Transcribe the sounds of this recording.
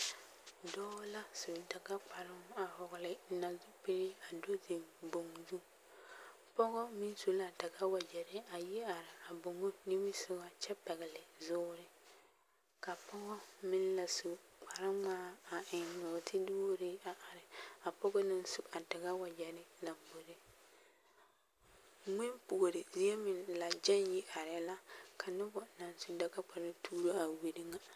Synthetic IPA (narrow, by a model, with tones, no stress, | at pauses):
dɔ˦la˦su˨ta˨ɡa˦k͡pa˨ɾɪ˦ŋ˦a˨hɔ˨ɣlɪ˨˦na˨zu˦pe˦ɾɪ˦a˨do˦zɪ˨mbo˨ŋzu˦ | pɔ˦ɡɔ˦mɪ˦n˦su˨la˨ta˨ɡa˦wa˨d͡ʒɛ˨ɾɪ˦a˨ji˦a˨ɾɪ˨a˨bo˨ŋo˦ni˦mi˦sʊ˦ɡa˦t͡ʃɛ˦pɛ˨ɣɪ˨lɪ˨zʊː˦ɾɪ˦ | ka˨pɔ˦ɡɔ˦mɪ˦n˦la˨su˨k͡pa˨ɾɪ˦ŋ͡maː˦a˨ɪ˨nʊ˨tʰɪ˦dʊː˦ɾɪ˦a˨ʔa˨ɾɪ˨a˨pɔ˦ɡɔ˦nɪ˦n˦sʊ˨a˨dɪ˨ɣa˦wa˨d͡ʒɛ˨ɾɪ˦la˨mbo˨ɾɪ˦ | ŋɪ˦npʊ˨ɾɪ˨zi˦ɛ˦mɪ˨nla˨d͡ʒɛ˦njɪ˦ʔa˨ɾɪ˨la˦ka˨nʊ˦bɔ˦na˨nsu˨da˦ka˦k͡pa˨ɾɪ˦tʰuː˦ɾo˦a˨we˨dɪ˦ŋa˦